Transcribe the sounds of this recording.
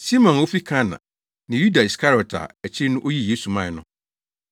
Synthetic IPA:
si˦mɔ̃˨no˦fi˦kʰã˦nã̰˨ | nɪ̃˨ju˦da˨i˨skʰa˦ɾi˨ɔ˨tʰa̰˨æ˨t͡ɕʰɪ˦nʊ̃˦ʔo˦ji˦jeː˦su˨mã˦˨nʊ̃˦

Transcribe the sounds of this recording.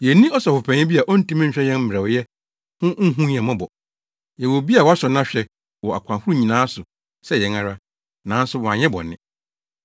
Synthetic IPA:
jɛ˨nĩ˦ɔ˦sɔ˨fʊ˨pʰɛ̃˨ɲɪ̃˦bi˦a˨ʔɔ˦n̩˦tĩ˦mɪ̃˦ɲ̩˨ɕᶣɛ˦jɛ̃˦nm̩˦m˨ɾɛ˨wjɛ˦ | hʊ̃˦ŋ̩˦ɦũ˦˨ɛ̃˨mã˦bɔ˨ | jɛ˨wo˨bi˦a˨wɔ˦sɔ˨nã˦ɕᶣɛ˨ | wɔ˨a˨kʷʰã˨hu˦ɾu˦ɲĩ˨nãː˨˦sʊ˨ | sɛ˦jɛ˨˦ŋa˦ɾa˦ | nã˨˦n̩˦sʊ˦wɔ˨a˨ɲɛ̃˦bɔ̰˨nɪ̃˦˨

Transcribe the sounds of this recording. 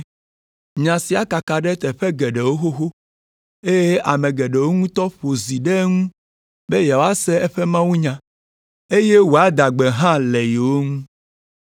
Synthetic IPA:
ɲã˨si˨a˦ka˨ka˨ɖe˦t̪ɛ˨ɸɛ˦ɡɛ˨ɖe˨wo˦xo˦xo˦ | e˦je˦a˨mẽ˨ɡɛ˨ɖe˨wo˦ŋũ˦t̪ɔ˦ɸo˨zi˨ɖe˦ŋũ˦ | be˦ja˨wo˨˦a˦sɛ˦ɛ˦ɸe˦mã˦wu˦ɲã˨ | e˦je˦wo˨a˦d̪a˨ɡ͡be˨ɦã˦lɛ˨je˨wo˦ŋũ˦

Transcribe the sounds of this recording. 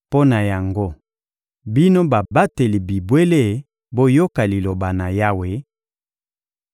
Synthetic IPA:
po˦na˨ja˨ŋɡo˦ | bi˦no˦ba˨ba˦te˨li˨bi˨bwe˦le˦˨ | bo˦jo˦ka˨li˨lo˨ba˨na˨ja˦we˨˦

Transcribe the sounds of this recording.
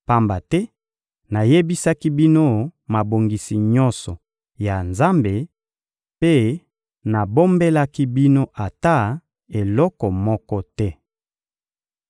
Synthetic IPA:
pa˦mba˨tɛ˦ | na˨je˦bi˦sa˦ki˦bi˦no˦ma˨bo˨ŋɡi˨si˨ɲɔ˦nsɔ˨ | ja˨nza˦mbe˨ | pe˦ | na˨bo˦mbe˦la˦ki˦bi˦no˦ʔa˨ta˦˨ | e˨lɔ˦kɔ˨mɔ˦kɔ˦tɛ˦

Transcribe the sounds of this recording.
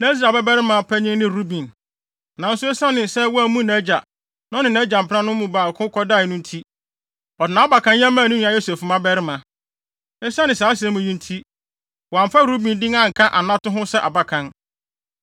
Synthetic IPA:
nã˦i˦s̬ɾa˨bɛ˦bɛ˦ɾɪ˦mã˨pʰæ˦ɲɪ̃˦ŋnɪ̃˦ɾu˦bĩ˨n | nã˨n̩˦sʊ˦ɛ˦sã˦nɪ̃˨sɛ˦wɔ˦æ˨mũ˦na˦d͡ʑa˨ | nã˦nɪ̃˨næ˦d͡ʑa˨m̩˨pʰɪ˦ã˦nʊ̃˦mmũ˦baː˨kʰʊ̃˦kʰɔ˦da˦˨nʊ̃˦n̩˦tʰi˦ | ɔ˨dɪ˨nã˨˦a˦ba˨kʰã˦njɛ̃˦mːã˦˨nĩ˦nũ˦a˦jo˦sɛ˨fmã˦bɛ˦ɾɪ˦mã˨ | ɛ˦sã˦nɪ̃˨saː˨˦sɛ̃˦mũ˨jĩ˦n̩˦tʰi˦ | wɔ˨a˨m˨fa˦ɾu˦bĩ˨ndɪ̃˦ŋã˦˨ŋ̩˨kʰã˦ʔa˨nã˦tʊ̃˦ɦʊ̃˦sɛ˦ʔa˨ba˨kʰã˨n

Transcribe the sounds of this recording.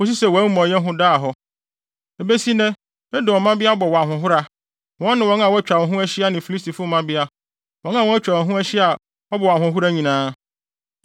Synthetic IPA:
ʊ˦ɕ̬i˦sɛ˨wa˨˦mɔ̃˨jɛ˦ɦʊ̃˦daː˦˨ɦɔ˦ | e˨be˦si˦nɛ̃˦ | ɛ˦dʊ˨ɔ˨mã˦bɪ˦a˦ɔ˦bɔ˨wɔ˨a˨ɦʊ̃˨ɦʊ˦ɾa˦ | wɔ̃˦nnɪ̃˨wɔ̃˨˦ã˨wɔ˦t͡ɕᶣa˨wɔ˨ɦʊ̃˦æ˦ɕi˦a˦nɪ̃˨fi˨li˦stʰi˨fʊ˦˨mã˦bɪ˦a˦ | wɔ̃˨˦ŋ˦ã˨wɔ˦æ˦t͡ɕᶣa˨wɔ˨ɦʊ̃˦æ˦ɕi˦a˨ | ɔ˦bɔ˨wa˨ɦʊ̃˨ɦʊ˦ɾa˦ɲĩ˨nãː˦

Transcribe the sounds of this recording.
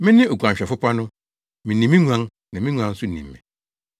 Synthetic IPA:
mɪ̃˦nɪ̃˦o˨ɡu˨ã˨ɲ˨ɕᶣɛ˨fʊ˦pa˦nʊ̃˦ | mɪ̃˨nĩ˨mĩ˦ɲu˨ã˦n | nã˨mɪ̃˦ɲʷũ˨˦ã˦n̩˦sʊ˦˨nḭ̃˨mːɛ̰̃˨

